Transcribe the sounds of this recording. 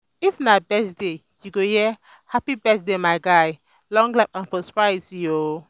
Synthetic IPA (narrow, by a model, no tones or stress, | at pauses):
ifnabɛsde | juɡojɛ | hapibɛsdemaɪɡaj | lɔ̃ŋɡlap̚ãnfɔspɹasio